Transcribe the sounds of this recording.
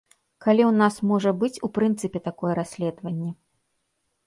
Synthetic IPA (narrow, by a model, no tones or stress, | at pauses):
kalʲiwnasmɔʐɐbɨt͡sʲupɾɨnt̪sɨpʲɛt̪akɔjɛɾasʲlʲɛd̪vɐnʲːɛ